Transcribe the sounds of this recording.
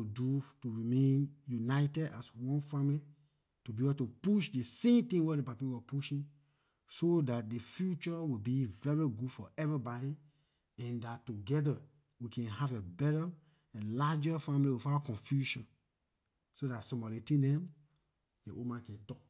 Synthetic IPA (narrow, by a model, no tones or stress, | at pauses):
udutuɹimẽnjunaɪtɛda̰swɔ̃nfãmli | tubitupuʃdesẽmtĩŋwɛdepapiwɔpuʃĩn | sodat̚defjut͡ʃɔwibivɛɹiɡudfɔʔɛvɹibɔɾi | ɛ̃ndattːuɡɛdə | wikʰɛ̃nhavebɛɾə | ɛ̃nlad͡ʒəfãmliwifaakɔ̃nfjuʃɔ̃n | sodatsɔ̃mɔdetĩdɛ̃m | d̥eʔomãnkɛ̃ntɔk̚